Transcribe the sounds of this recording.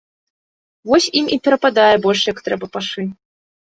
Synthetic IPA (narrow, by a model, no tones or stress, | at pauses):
vɔsʲimʔipʲɛɾɐpad̪ajɛbɔlʲʂjakt̪ɾɛbɐpaʂɨ